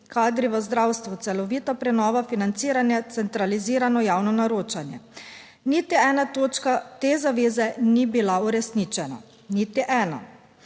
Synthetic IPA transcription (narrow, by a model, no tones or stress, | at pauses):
kaːd̪ɾiʋəzd̪ɾawst̪ʋut̪sɛlɔʋiːt̪apɾɛnɔːʋafinant̪siːɾanjɛt̪sɛnt̪ɾaliziːɾanɔjaːwnɔnaɾoːt͡ʃanjɛ̰ | nit̪iɛːnat̪oːt͡ʃkat̪eːzaʋeːzɛnibilauɾɛsniːt͡ʃɛna̰ | nit̪iʔɛːna̰